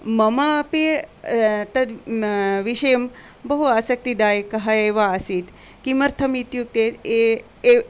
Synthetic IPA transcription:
mɐmapi | t̪ɐt̪ | ʋiʃɐjɐm | bɐɦuaːsɐk̚t̪id̪aːjkɐɦaeʋaːsit̪ | kimɐɾt̪ʰɐmit̪juk̚t̪et̪e

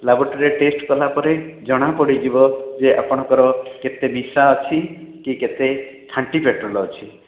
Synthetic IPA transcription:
labɔɾʈɾeʈesʈkɔlapɔɾed͡ʒɔɽ̃apɔɽid͡ʒibɔd͡ʒeʔa̰pɔɽ̃ɔ̃ŋkɔɾɔket̪emisaɔt͡ʃʰikiket̪e | kʰaɳʈipeʈɾɔlːt͡ʃʰi

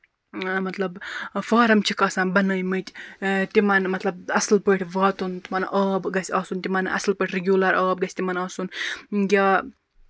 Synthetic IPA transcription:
mɐt̪lɐbfaːɾɐmt͡ʃʰikɐːsaːnbɐnɐjmɨt͡ʃ̪ʲt̪imɐnmɐt̪lɐb̚ɐslpəʈʰʲʋaːt̪unt̪imanʔaːbɡɐsʲaːsunt̪ʲimɐnɐ̰slpəʈʰʲɾeɡʲjuːlɐɾaːb̚ɡɐsʲt̪ʲimanɐːsunɡʲaː

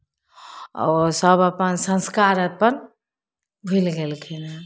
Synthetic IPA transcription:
ɔ̰səbəpənsə̃nskaɾət̪̚pəɾ | bʱilɡelkʰela

